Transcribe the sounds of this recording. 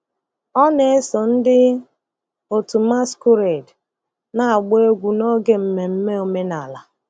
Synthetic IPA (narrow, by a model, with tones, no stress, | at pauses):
ɔ˦ne˨e˦sɔ˨n̩˦dɪ˦ | o˨tu˨ma˦skʊ˦ɾe˨d | na˨a˨ɡ͡be˦e˦ɡʷu˨nɔ˦ɡe˦m̩˨me˨m̩˦me˦o˨me˦na˨la˨